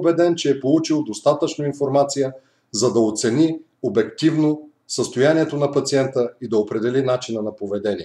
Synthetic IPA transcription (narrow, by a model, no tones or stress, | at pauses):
bɛd̪ɛnt͡ʃɛːpolˠut͡ʃilˠd̪ost̪at̪ət͡ʃnoinfoɾmat̪sijə | zɐd̪ɐot̪sɛni | obɛkt̪ivno | səst̪ojaniɛt̪onɐpɐt̪siɛnt̪əid̪ɐopɾɛd̪ɛlinat͡ʃinənɐpovɛd̪ɛniɛ